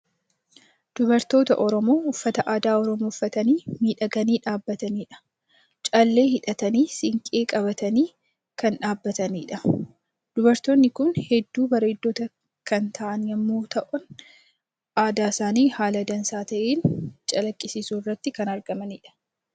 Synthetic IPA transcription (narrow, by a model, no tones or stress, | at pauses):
d̪̥ʊbɐɾt̪o̞ːt̪ɐ̰ʔɔɾɔmoːʊfːɐt̪ɐʔaːd̪aːɔɾɔmoːfːɐt̪ɐniːmiːᶑɐɡɐniːᶑaːbːɐt̪ɐniːᶑɐ̥ | t͡ʃʼɐlːe̞ːhɪᶑɐt̪ɐniːsɪŋkʼeːkʼɐβɐt̪ɐniː | kɐnᶑaːbːɐt̪ɐniːᶑɐ | d̪̥ʊbɐɾt̪oːnːɪkʊnhɛd̪ːuːbɐɾe̞ːd̪ːoːt̪ɐ | kɐnt̪ʰɐʔɐnjɐmːoːt̪ɐʔʊn | ʔaːd̪aːsaːniːhaːlɐd̪ɐnsaːt̪ɐʔeːnt͡ʃʼɐlɐkʼːɪsɪsuːrːɐt̪ːɪkɐnɐɾɡɐmɐniːᶑɐ̥